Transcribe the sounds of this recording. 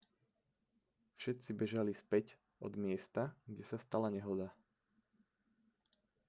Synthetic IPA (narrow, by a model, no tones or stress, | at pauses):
fʃɛt̪t͡sibɛʒalispɛc | ɔ̰d̪mɪɛst̪aɡɟɛsast̪alaɲɛɦɔd̪a